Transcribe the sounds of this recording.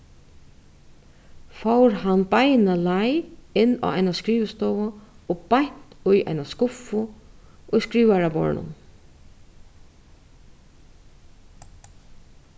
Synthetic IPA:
fowɾhanbajnalajɪnːa̰ːa̰jnaskɾiːʋst̪ɔːwa | obajɲ̥t̪ʊja̰jnaskʊfʊʊjskɾiːʋaɾabɔ̰ɹnʊ̰n

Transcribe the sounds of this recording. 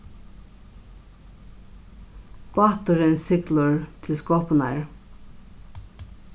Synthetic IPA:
pɑt̪ʊɾɪnsɪklʊɹt̪ʰɪlskɔːpʊna̰ɹ

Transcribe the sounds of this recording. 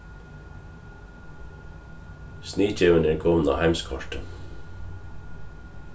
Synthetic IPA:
sniːc͡çʰeːʉnɛkʰɔʋn̩ɑ̰ːhæɪmskʰɑʃʈə

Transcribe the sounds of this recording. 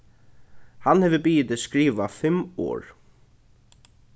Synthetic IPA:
hanhɛvɪbiːjɪt̪ɪskɾiːʋafɪmɔ̰ːɹ

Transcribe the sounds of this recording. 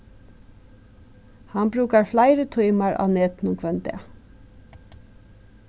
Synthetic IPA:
hɑnbɾʉːkɑɹflæɪɾət̪ʰɔʏmɑɹʔɑ̰ːneːt̪n̩ʊŋkʰʋɛnt̪ḛ

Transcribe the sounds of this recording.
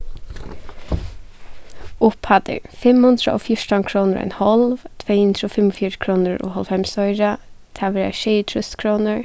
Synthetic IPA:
ʊphɑd̪ə̰ɹfɛmhʉnd̪ɾə̰ʔo̰ːfjʊɹʈɑnkʰɹuːnəɹɛ̰ɪnhɔlʋt̪ʰʋeɪhʉnd̪ɹəɔːfɛmɔfjiːɹəkʰɹuːnəɹʔo̰ːhɔlfɛmsɔʏɹə | t̪ʰɑʋəɾɛ̰ʃœɪt̪ʰɾʉst̪kʰɹuːnəɹ

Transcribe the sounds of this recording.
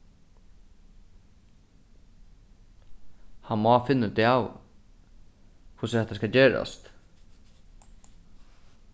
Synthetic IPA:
hɑnmoafɪnːəd̪ɛaːw | kʰʊshɛt̪ːaskɑd͡ʑeːɾa̰st̪

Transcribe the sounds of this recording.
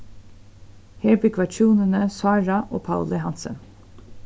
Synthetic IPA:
heːɹbɪkʋɑt͡ʃʰuːnənəsɑːɹɑʔo̰ːpʰɑld̪əhɑnsə̰n

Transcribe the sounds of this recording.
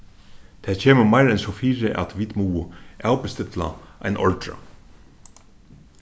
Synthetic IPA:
t̪ʰɛːcʰeːməmaɪɾɛnsɔfiːɹɪʔæ̰t̪ʋiːd̪muːaːwpɪst̪ɪt̪la̰a̰jnʔɔ̰lt̪ɹa̰

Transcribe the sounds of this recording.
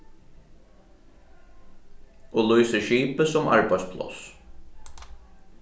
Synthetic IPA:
ɔːlujsəʃiːpəsɔmʔɑ̰ɹbɑɪspʰlɔ̰s

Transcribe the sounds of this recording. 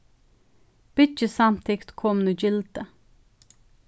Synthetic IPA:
b̥ɪt͡ʃəsɑmt̪ʰɪkt̪kʰɔmnuːd͡ʒɪlt̪ə

